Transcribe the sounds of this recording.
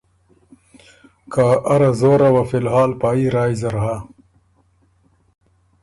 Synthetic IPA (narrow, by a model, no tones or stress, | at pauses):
kaːʔɐɾazoːɾɐwafilɦaːlpaːiɾaːjzɐɾɦa